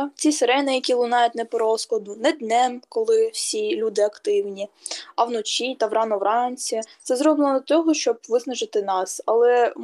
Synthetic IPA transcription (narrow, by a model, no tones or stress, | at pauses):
t͡sʲiseɾɛnɪjɐkʲilˠʊnɑjʊt̪ʲnɛpɔɾɔskɔd̪ʊnɛd̪nɛmkɔlˠɪwsʲilʲud̪ɪɐkt̪ɪwnʲiɐwnɔt͡ʃʲit̪ɐʋrɑnɔʋɾɑnʲt͡sʲit̪sɛzɾɔblˠnd̪ɔt̪ɔɦɔʃt͡ʃɔb̚ʋɪznɐʒɪt̪ɪnɑsɐlˠɛ